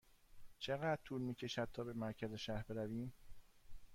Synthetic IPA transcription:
t͡ʃʰe̞ɣæd̪̥̚t̪ʰuːlmiːcʰe̞ʃæd̪̚t̪ʰɒːbe̞mæɾcʰæze̞ʃæɾbe̞ɾæviːm

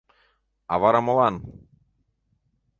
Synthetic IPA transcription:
a̰vaɾamolˠan

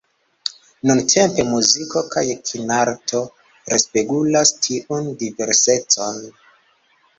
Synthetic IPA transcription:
nuntʰe̞mpe̞muziko̞kʰajkʰinaɾtʰo̞ | ɾespeɡulastʰiʔundive̞ɾse̞t͡so̞n

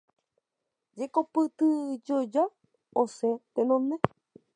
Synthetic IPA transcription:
d͡ʒekopɨt̪ɨd͡ʒod͡ʒa | oset̪enõnẽ

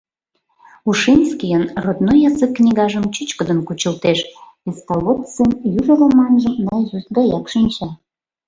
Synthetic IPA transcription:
uʃinʲskijənrod̪nojɑzəkːnʲiɣɑʒəmt͡ɕyt͡ɕkəd̪ənkut͡ɕəlt̪eʃβeskɑlot̪t͡semjuʒəlɑmɑnʒəmnɑjzusɡɑjɑkʃinʲt͡ɕɑ

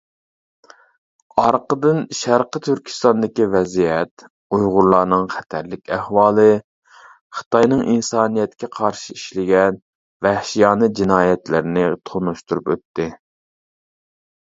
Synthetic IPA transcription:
ɑɾqəd̪ɨnʃæɾqət̪ʰyɾkʲʰi̥st̪ɑnd̪ɪkʲivɛzijɛt̪ | ujʁʊɾlˠɑːnɨŋχɛt̪ʰæɾlɪkʲæhwɑːlˠɨ | χə̥t̪ʰɑjnɨŋʔinsɑːnijɛt̪kʲɛqʰɑɾʃiiʃlɪɡʲɛn | væhʃijɑːnɨd͡ʒinɑːjɛt̪lɪɾɪnɪt̪ʰonuʃt̪uɾupøt̪ːɪ

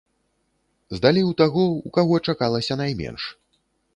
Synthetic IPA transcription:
zd̪alʲiwt̪aɣɔukaɣɔt͡ʂakalˠɐsʲɐn̪ajmʲɛ̰nʂ

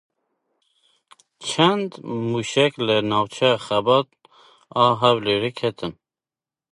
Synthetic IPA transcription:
t͡ʃʰɛnd̪muʃɛklənɑwt͡ʃʰɛjɑxɛbɑt̪̚ | ɑːɦæwleɾekʰɛt̪ʰɨn

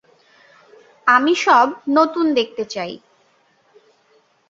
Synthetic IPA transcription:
amiʃɔb̚not̪und̪ek̚t̪et͡ɕaj

